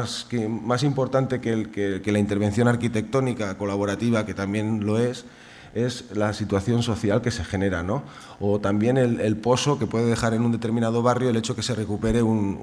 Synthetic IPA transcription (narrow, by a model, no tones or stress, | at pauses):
skmas̬impo̞ɾt̪ant̪e̞kelkeke̞laint̪eɾβ̞e̞nθjo̞naɾkit̪e̞k̚t̪o̞nikako̞laβ̞o̞ɾat̪iβ̞ake̞t̪ambje̞nlo̞e̞s | e̞zlasit̪waθjo̞nso̞θjalke̞se̞xe̞ne̞ɾano̞ | ot̪ambje̞ne̞lelpo̞so̞ke̞pwe̞ðe̞ð̞e̞xaɾe̞nũnd̪e̞t̪e̞ɾmĩnað̞o̞β̞arjo̞e̞le̞t͡ʃo̞ke̞se̞re̞kupe̞ɾe̞un